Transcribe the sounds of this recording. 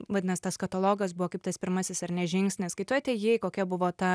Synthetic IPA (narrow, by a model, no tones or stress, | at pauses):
ʋɐdʲɪnɐst̪ɐskɐt̪ɐlˠoːɡɐs̬bʊʋoːkɐɪpt̪ɐspʲɪɾmɐsʲɪsɐɾnʲɛʒʲɪŋksʲnʲɪsskɐɪt̪ɛt̪ʲeːjeːjkoːkʲɛbʊʋoːt̪ɐ